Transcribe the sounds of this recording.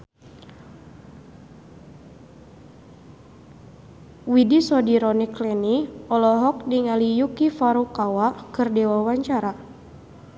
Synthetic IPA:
widisɔdiɾɔniklɛniɔlɔɦɔk̚diŋalijukifaɾukawakɨrdɛwawaɲt͡ʃaɾa

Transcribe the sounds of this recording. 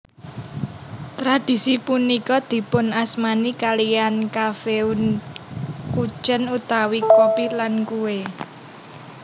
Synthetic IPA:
t̪ɾad̪̥i̤sipunikɔd̪̥i̤pʊnasmanikalijankafeun | ku̥t͡ʃənut̪awikopilankue

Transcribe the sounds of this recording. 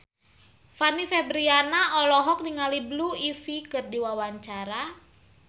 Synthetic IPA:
fanifɛbɾianaʔɔlɔɦɔk̚niŋalibluifikɨrdiwawaɲt͡ʃaɾa

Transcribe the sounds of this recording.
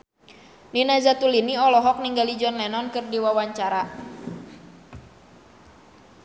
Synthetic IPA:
ninazat̪uliniɔlɔɦɔk̚niŋɡalid͡ʒɔnlɛnɔnkɨrdiwawaɲt͡ʃaɾa

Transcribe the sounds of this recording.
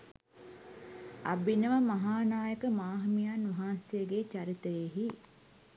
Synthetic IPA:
ɐ̰binəʋəmaɦaːnaːjəkəmaːɦɐmijanʋɐɦaːnsejəɡet͡ʃaɾit̪əjeɦi

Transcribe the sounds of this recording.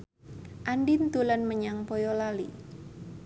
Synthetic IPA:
ʔandɪnt̪ulanməɲaŋpɔjɔlalḭ

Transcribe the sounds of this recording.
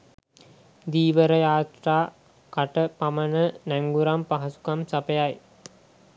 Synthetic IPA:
d̪iːʋəɾəjaːt̪raː | kaʈəpamənənæŋɡuɾampaɦɐsu̥kamsapəjaj

